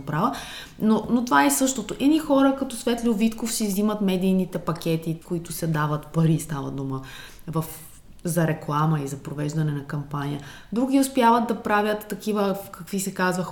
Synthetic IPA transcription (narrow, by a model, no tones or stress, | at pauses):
pɾavə | nonot̪ovaɛsɤʃt̪ot̪oʔɛnixɔɾəkɐt̪ɔsvɛt̪lʲʊvit̪kofsivzimət̪mɛd̪iːnit̪ɛpɐk̟ʲɛt̪ikoit̪ʊsɛd̪avət̪pɐɾist̪avə̰d̪uməvɐf | zɐɾɛklˠaməizɐpɾovɛʒd̪ɐnɛnɐkɐmpanijə | d̪ɾuɡ̟ʲiʊspʲjavət̪̚d̪ɐpɾavʲjət̪ːɐkʲivəkɐkvisɛkazvəx